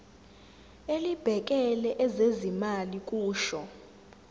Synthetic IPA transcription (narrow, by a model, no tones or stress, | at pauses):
elib̥ʱɛk̬ʼɛlɛʔɛzezimalik̬ʼuːʃɔ